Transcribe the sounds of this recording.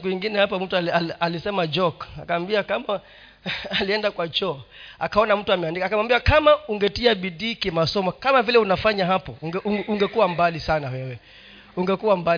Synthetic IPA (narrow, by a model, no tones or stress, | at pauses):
kuiŋɡinɛhapam̩tuaaalisɛmad͡ʒɔkakawambiakama | aliɛndakwat͡ʃɔakaɔnam̩tuamɛandikaːkamambiakamauŋɡɛtiaɓiɗiːkimasɔmɔkamavilɛunafaɲaɦapɔuŋɡɛuuŋɡɛkuwambalisanawɛwɛ | uŋɡɛkuwamba